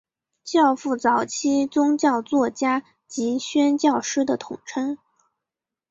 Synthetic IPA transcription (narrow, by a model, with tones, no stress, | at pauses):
t͡ɕjɑ˥˧ʊfu˥˩t͡sɑ˨˩ʊt͡ɕʰi˥t͡sʊ˥ŋt͡ɕjɑ˥˧ʊt͡swɔ˥˩t͡ɕja˥ | t͡ɕi˧˥ɕɥɛ˥nt͡ɕjɑ˥˩ʊʂɻ̩˥d̪ə˨t̪ʰʊ˨˩ŋʈ͡ʂʰɤ˥ŋ